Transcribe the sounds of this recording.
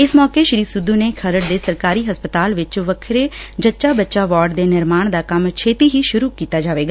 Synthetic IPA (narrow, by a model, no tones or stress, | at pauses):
ɪsmɔːkeʃəɾiːsʊd̪ːuːneːkʰəɾəɽ̚d̪eːsəɾkaːɾiːɦəspət̪aːlʋɪt͡ʃʋəkʰɾeːd͡ʒətːʃaːbətːʃaːʋaːɾɖd̪eːnɪɾmaːɳ̃d̪aːkəmt͡ʃʰeːt̪iːɦiːʃʊɾuːkiːt̪aːd͡ʒaːʋeːɡaː